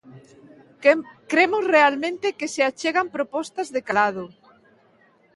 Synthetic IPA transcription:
kɾemʊsrealmẽnt̪ɪkeseat͡ʃeɣampɾopɔst̪ɐzðekalað̞ʊ

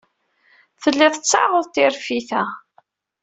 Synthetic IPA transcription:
θəlːɪðˤət͡sːɑ̰ʁəðˤt̪ɪɾfiθæ

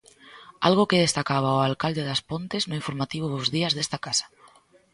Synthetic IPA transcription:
alɣ̞okeð̞est̪akaβ̞aoalkald̪eðaspont̪eznʊĩɱfoɾmat̪iβ̞ʊðʊzðiɐzðest̪akasḁ

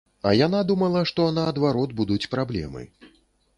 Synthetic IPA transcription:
ɐjanad̪umɐlˠɐʂt̪ɔnɐːd̪vaɾɔd̪̚bud̪ut͡sʲpɾablʲɛ̰mɨ̰

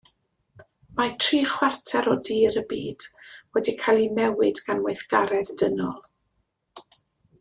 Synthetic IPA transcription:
matʰriːχwartʰɛɾɔdiːɾəbiːd̥wɛdikʰajlˠinɛwɪdɡanwejθɡ̥aɾɛðdənɔ̰lˠ

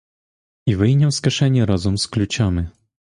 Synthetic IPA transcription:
ivɘjɲʲɛwskaʂɛɲʲɛɾɔzumsklʲut͡ɕɔmʲɘ

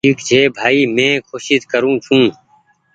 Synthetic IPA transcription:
iːkd͡ʒʰʱeːbʱaːiːmẽːkʰoːʃit̪kəɾũːt͡ʃʰũː

